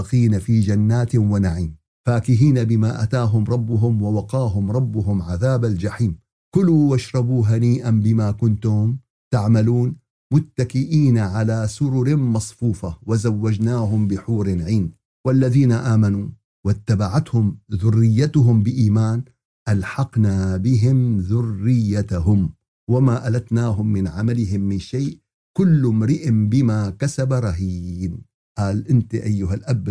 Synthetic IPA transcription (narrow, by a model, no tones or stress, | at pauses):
ɑqiːnafiːd͡ʒanːaːt̪wanaʕiːm | faːkɪɦiːnabɪmaːʔat̪aːɦʊmɾˤɑbːʊɦʊmwawɑqɑːɦʊmɾˤɑbːʊɦʊmʕaðaːbald͡ʒaħiːm | kʊluwaʃɾˤɑbuːɦaniːʔanbɪmaːkʊnt̪ʊm | t̪aʕmaluːn | mʊt̪ːakɪʔiːnaʕalaːsʊɾʊɾɪmɑsˤfuːfawazawːad͡ʒnaːɦʊmbɪħuːɾɪnʕiːn | walːaðiːnaʔaːmanuː | wɪt̪ːabaʕat̪hʊmðʊrːɪjːat̪ʊɦʊmbɪʔiːmaːn | ʔalħɑqnabɪɦɪmðʊrːɪjːat̪ɦʊm | wamaːʔalat̪naːɦʊmːɪnʕamalɪɦɪmːɪnʃaːʔ | kʊlːmɾɪʔɪmbɪmaːkasabaɾˤɑɦiːn | ʔaːlʔɪnt̪ʔajːʊhalʔab